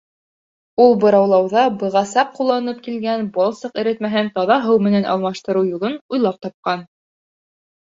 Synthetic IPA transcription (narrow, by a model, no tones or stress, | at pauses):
ulˠbɤ̆ɾɑwlˠɑwðɑbɤ̆ʁɑsɑq̚qːulˠːɑnɤp̚kilɡænbɑlˠsɤqɘ̆ɾɘt̪mæɦɘnt̪ɑðɑɦɤwmɘ̆nænʔɑ̰lˠmɑʃt̪ɤ̆ɾɤwjulˠɤnujlˠɑp̚t̪ɑp̚qɑn